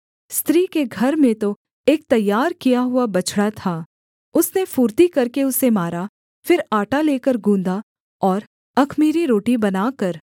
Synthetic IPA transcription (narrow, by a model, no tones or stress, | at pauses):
st̪ɾiːkeɡʱɐɾmẽt̪o | eːk̚t̪ɐjːaːɾkijaɦʊabɐt͡ʃʰɽat̪ʰaː | ʊsnefuːɾt̪ikɐɾkeʊsemaːɾa | fɪɾaːʈaleːkəɾɡũːnd̪a | ɔːɾ | ɐkʰmiːɾiɾoːʈibɐnaːkɐɾ